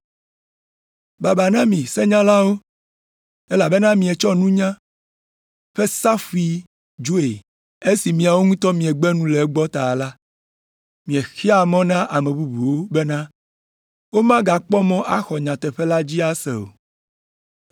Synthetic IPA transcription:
ba˨ba˨nã˦mĩ˨sɛ˦ɲã˦la˦wo˦ | e˦la˨be˦nã˦mĩ˨ɛ˨t͡ʃɔ˦nũ˦ɲã˦ | ɸe˦sa˦fu˨i˨ | d͡ʒo˦e˨ | e˦si˨mĩ˨a˨wo˦ŋũ˦t̪ɔ˦mĩ˨ɛ˨ɡ͡bɛ˦nũ˦le˨˦ɡ͡bɔ˦t̪a˨la˦ | mĩ˨ɛ˨xi˦a˨mɔ̃˦nã˦ʔa˨mẽ˨bu˦bu˨wo˦be˦nã˦ | wo˦mã˦ɡa˨k͡pɔ˦mɔ̃˦ʔa̰˦xɔ˨ɲã˨t̪ɛ˨ɸɛ˦la˦d͡ʑi˦a˦sɛ̰˨o̰˨

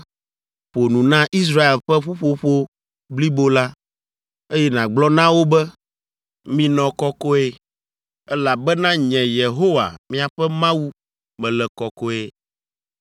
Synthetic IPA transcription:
ɸo˨nũ˨nã˦ʔi˦s̬ɾa˦e˨lɸɛ˦ɸu˦ɸo˦ɸo˦ | bli˦bo˦la˦ | e˦jɛ˦nã˨ɡ͡blɔ˦nã˦wo˦bɛ˦ | mĩ˦nɔ̃˨kɔ˦kɔ˦e˦ | ɛ˦la˨bɛ˦nã˦ɲɛ̃˨je˨ɦo˦wa̰˨mĩ˦a˨ɸɛ˦mã˦wu˦ | mɛ̃˨lɛ˨kɔ˨kɔ˦e˦

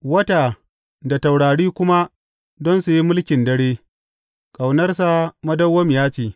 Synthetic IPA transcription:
wɐ˦taː˨ | da˨ta˨wɽaː˨ɽiː˦kʷʊ˦ma˦ | dɔ˦nsu˨ji˦mʊ˦lkʲɪ˨ndɐ˦ɽeː˦ | kʼa˨wnɐ˦rsa˦˨mɐ˦dɐ˦wːɐ˦m˨jaː˦t͡ʃeː˨

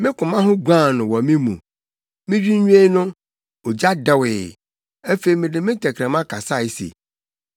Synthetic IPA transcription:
mɪ̃˦kʰʊ̃˨mã˦ɦʊ̃˦ɡʷã˦˨nʊ̃˨wɔ˨mɪ̃˦mṵ̃˨ | mɪ̃˦d͡ʑᶣi˦ɲũ˦e˦nʊ̃˦ | o˨d͡ʑa˦dɛ˦wɪ˨ | ɛ˦fe˨i˨mɪ̃˨dɪ˦mɪ̃˦tʰɛ˨kʰɾɛ̃˨mã˦kʰa˨sa˦˨ɪ˦sḛ˨

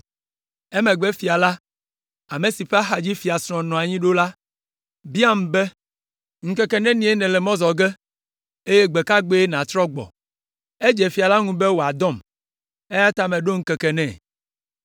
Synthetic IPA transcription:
ɛ˦mɛ̃˨ɡ͡bɛ˦fi˨a˨la˦ | a˨me˨si˨ɸe˦a˦xa˨d͡ʑi˦fi˨a˨sɾ̃ɔ̃˨nɔ̃˨a˨ɲĩ˦ɖo˦la˦ | bi˦a˦m˨bɛ˦ | ŋ̩˦kɛ˦˨kɛ˨nɛ̃˦nĩ˦e˦nɛ̃˨lɛ˨mɔ̃˦zɔ˨ɡɛ˦ | e˦je˦ɡ͡bɛ˨ka˦ɡ͡be˦e˦nã˨t̪ɾɔ˦ɡ͡bɔ̰˨ | e˦d͡ʒɛ˨fi˨a˨la˦ŋũ˦bɛ˦wo˨a˨d̪ɔ̃˦˨m | e˦ja˦t̪a˦mɛ̃˨ɖo˦ŋ̩˦kɛ˨kɛ˨nɛ̰̃˦˨

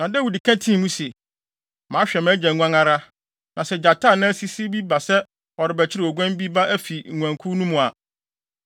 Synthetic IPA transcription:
nã˨dæ˦wi˨di˨kʰæ̃˦tʰĩ˦˨nũ˦se˨ | mãː˨˦ɕᶣɛ˨mɛ̃˦d͡ʑɛ˨ŋʷ˦ã˦ŋa˦ɾa˦ | nã˨sɛ˦d͡ʑa˨tʰaː˦˨nʊ̃˦æ˦si˦si˦bi˦ba˨sɛ˦ | ɔ˨ɾɪ˨bɛ˨t͡ɕʰɪ˦ɾɪ˦˨ɔ˨ɡʷɛ̃˦m˦bi˦ba˦ʔæ˦fi˨ŋ̩˨ŋʷã˨ŋkʰu˦nũ˦mũ˨a˨

